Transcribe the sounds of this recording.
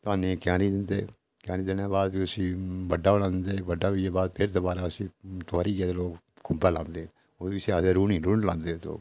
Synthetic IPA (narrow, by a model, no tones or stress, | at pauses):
t̪oaːnẽkɪjãːniːd̪ɪnd̪eː | kjaːnĩːd̪ɪnaːbaːd̪biːʊsĩːbəɖaːbəɽãːd̪ɪnd̪eːbəɖːaːbiaːbaːd̪pʰɪɾd̪oːbaːɾaːʊsĩːt̪aːɾiːɡeːd̪eloːk | kʰʊmbaːlãːnd̪eː | oːbiːseaːd̪eɾuːnĩːɾuːɳlãːnd̪eːt̪o̰ː